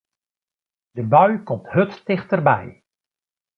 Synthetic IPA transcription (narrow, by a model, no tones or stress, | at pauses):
d̥əbœɥkɔmthɵttɪχtərbɛ̰j